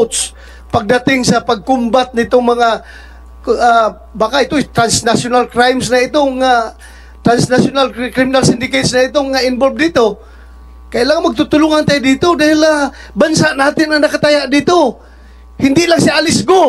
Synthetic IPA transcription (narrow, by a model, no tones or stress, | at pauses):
t̪s | paɡ̚d̪at̪ɪŋsapaɡ̚kʊmbat̪̚nɪt̪ʊŋmaŋa | a | bakaʔɪt̪ot̪ɾansnasʊnalkɾajmsnaɪt̪oŋa | t̪ɾansnasʊnalkɾɪmɪnalsɪnd̪ɪket̪snaɪt̪ʊŋaɪnbolb̚dit̪o | kajlaŋmaɡ̚t̪ʊt̪ʊlʊŋant̪ajd̪it̪od̪ahɪlabansaʔnaːt̪ɪnaŋnakat̪ajaʔdit̪o | hɪnd̪ɪʔlaŋsiaʔalɪsɡo